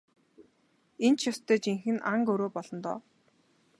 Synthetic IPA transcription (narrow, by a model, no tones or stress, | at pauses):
ent͡ɕʰjʊst̪ʰeːt͡ɕiŋxɘ̆naŋkɵɾoːpɔɮɞ̆nt̪ɔ̰ː